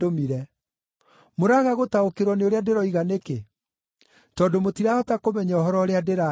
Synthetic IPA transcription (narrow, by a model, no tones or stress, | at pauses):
omiɾɛ | moɾaɣaɣotaokeɾwɔneoɾeadeɾɔiɣaneke | tɔːdomotiɾaɔtakomɛɲaɔɦɔɾɔːɾeadeɾa